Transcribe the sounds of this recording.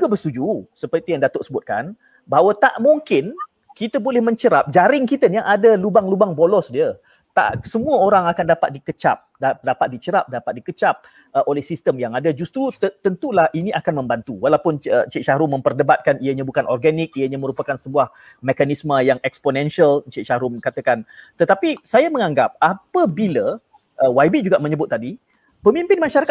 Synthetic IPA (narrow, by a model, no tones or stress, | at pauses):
d͡ʒuɡabəst̪ud͡ʒusəpərt̪ijaŋdat̪ʊʔsəbʊt̪̚kan | baɦwat̪a̰ʔmuŋkɪn | kit̪abolɛhmə̃ɲt͡ʃəɾap̚d͡ʒaɾɪŋkit̪anaʔadalubaŋlubaŋbolɔsdiə | t̪a̰ʔsəmũəoɾaŋakandapat̪̚dikət͡ʃa̰p̚dadapat̪̚dit͡ʃəɾap̚dapat̪̚dikət͡ʃap̚ | əʔolɛhsist̪əmjaŋadad͡ʒust̪ɾut̪t̪ənt̪ulahinĩʔakanmə̃mbant̪uwalawpʊnət͡ʃiʔʃaɾʊmə̃mpərdəbat̪̚kaniəɲãbukanʔɔ̰rɡanik̚ijəɲãmə̃ɾupakansəbuah | mekanisməjaŋɛksponɛ̃nʃiəlt͡ʃiʔʃaɾʊmkat̪əkant̪ət̪apisajamə̃ŋaŋɡap̚apəbilə | ʔəwajbid͡ʒuɡaʔmə̃ɲəbʊt̪ːadi | pəmimpɪnmaʃaɾak